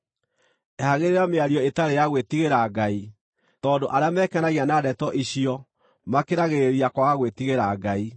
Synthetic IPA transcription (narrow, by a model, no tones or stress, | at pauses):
ɛhaɣeɾeɾameaɾjɔetaɾejaɣwetiɣeɾaɡai | tɔːdoʔaɾeamɛːkɛnaɣianadɛtɔʔiɕiɔ | makeɾaɣeɾeɾiakwaɣaɣwetiɣeɾaɡai